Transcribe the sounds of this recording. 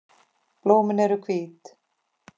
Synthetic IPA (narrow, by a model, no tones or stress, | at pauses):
b̥loːmɪnɛɾʏkʰviːt̪